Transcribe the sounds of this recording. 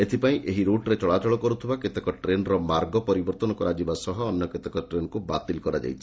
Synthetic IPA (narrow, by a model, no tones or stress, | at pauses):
et̪ʰipaĩʔeɦiɾoʈɾet͡ʃɔɭat͡ʃɔɭɔkɔɾut̪ʰibaket̪ekɔʈɾenɾɔmaɾɡɔpɔɾibɔɾt̪ɔnɔkɔɾad͡ʒibasɔɦɔːnjɔket̪ekɔʈɾenkubat̪ilkɔɾad͡ʒa̰jt͡ʃʰi̥